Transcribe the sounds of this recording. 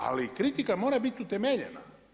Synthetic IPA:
a̰likɾit̪ikamo̞ːɾabit̪ʲut̪e̞meʎḛna̰

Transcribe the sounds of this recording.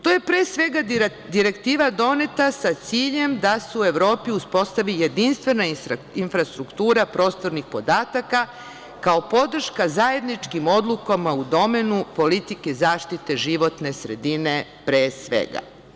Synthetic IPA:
t̪oje̞pɾeːsʋe̞ɡa | d̪iɾe̞kt̪iːʋad̪o̞ne̞t̪asat̪siːʎe̞md̪aseue̞ʋɾo̞ːpiuspo̞st̪aʋijed̪inst̪ʋe̞na | infɾast̪ɾukt̪uːɾapɾo̞ːst̪o̞ɾnixpo̞d̪aːt̪aka | kao̞po̞d̪r̩ʃkazaje̞d̪nit͡ʃkimo̞d̪lˠukamaud̪o̞me̞nupolit̪ikezaːʃt̪it̪e̞ʒiʋo̞t̪ne̞sɾed̪ine̞pɾeːsʋḛɡa̰

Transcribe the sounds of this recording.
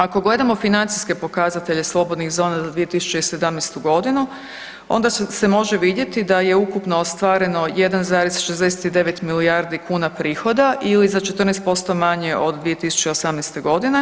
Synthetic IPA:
ako̞ɡle̞d̪amo̞finant̪siske̞po̞kazat̪e̞ʎe̞slˠo̞bo̞d̪niɣzo̞ːnazad̪ʋije̞t̪isu̥t͡ʃeise̞d̪amnɛjst̪uɡo̞d̪inu | o̞̰nd̪ase̞mo̞ʒeʋid̪je̞t̪id̪aje̞ukupnoost̪ʋaːɾe̞no̞je̞d̪anzaːɾesʃezd̪eset̪id̪e̞ʋe̞t̪miliaɾd̪ikuːnapɾiːxo̞d̪aʔilizat͡ʃe̞t̪rnɛst̪̚po̞st̪o̞maɲe̞ʔo̞d̪d̪ʋije̞t̪isu̥t͡ɕeio̞samnɛjst̪e̞ɡo̞d̪ine̞

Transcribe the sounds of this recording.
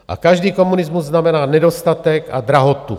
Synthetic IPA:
ʔa̰kaʒdiːkomunɪzmuzːnamɛnaːnɛdost̪at̪ɛka̰d̪ɾaɦot̪ṵ

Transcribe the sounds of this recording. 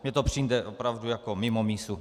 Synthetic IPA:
mɲɛt̪opr̝̥ind̪ɛʔopɾavdujakomɪmomiːsu

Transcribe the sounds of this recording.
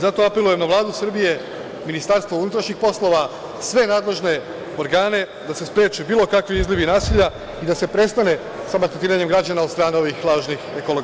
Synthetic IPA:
zat̪o̞ape̞luje̞mnaʋlˠaːd̪usr̩bije̞ | minist̪aɾst̪ʋo̞unut̪ɾaʃɲixpo̞slˠo̞ʋa | sʋe̞naːd̪le̞ʒne̞ | oɾɡaːne̞ | d̪ase̞spɾjeːt͡ʃubiːlˠo̞kakʋiizliʋinaːsiʎa | id̪ase̞pɾe̞st̪ane̞ | samat̪et̪iːɾaɲe̞mɡɾad͡ʑanao̞d̪st̪ɾaːne̞o̞ʋixlˠaːʒnixekolo

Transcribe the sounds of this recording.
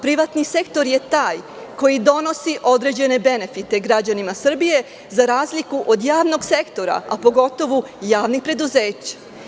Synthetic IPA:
pɾiʋat̪nise̞kt̪o̞ɾje̞t̪aːj | ko̞jid̪o̞no̞siʔo̞d̪ɾe̞d͡ʑe̞ne̞be̞ne̞fit̪e̞ɡɾad͡ʑanimasr̩bije̞ | zaɾaːzlikuʔod̪jaːʋno̞ɡse̞kt̪o̞ɾa̰apo̞ɡo̞t̪o̞ʋujaːʋnixpɾe̞d̪uzeːt͡ɕḁ

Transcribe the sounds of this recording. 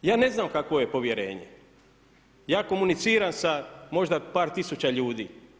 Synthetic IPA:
jaːne̞znaːmkakʋo̞je̞po̞ʋjeɾe̞̰ːɲḛ | jaːko̞munit̪siːɾamsamo̞ʒd̪apaːɾt̪isut͡ɕaʎuːd̪ḭː

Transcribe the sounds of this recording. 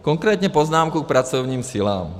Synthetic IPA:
kɔŋkɾɛːt̪ɲɛpɔznaːmkuk̚pɾat͡sɔʊɲiːmsila̰ːm

